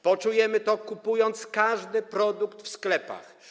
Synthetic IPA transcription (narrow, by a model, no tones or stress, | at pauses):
pɔt͡ʂujɛmɘt̪ɔkupujɔnt̪skaʐd̪ɘpɾɔd̪ukt̪fsklɛpa̰x